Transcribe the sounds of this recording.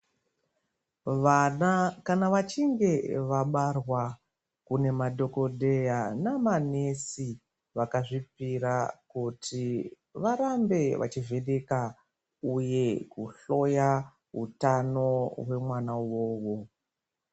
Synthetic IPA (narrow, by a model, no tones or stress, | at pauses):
akanaʋat͡ʃiŋɡe̞ʋaɓarwa | kune̞madʱo̞ko̞dʱe̞janamane̞si | ʋakaʐipiɾakutʰi | ʋaɾambe̞ʋa̰t͡ʃive̞ɗeka | uje̞kuɬo̞ja | ɦṵtano̞ɦwe̞mwanawo̞ːwo̞